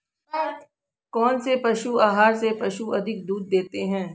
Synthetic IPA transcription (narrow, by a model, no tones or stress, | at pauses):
kɔːnsepɐʃuaːɦaːɾsepɐʃuɐd̪ʱɪk̚d̪uːd̪̚ːeːt̪eɦɛ̃ː